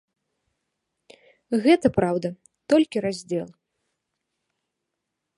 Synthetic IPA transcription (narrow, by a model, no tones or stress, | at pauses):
ɣɛt̪ɐpɾawd̪ɐ | t̪ɔlʲkʲiɾazʲd͡zʲɛlˠ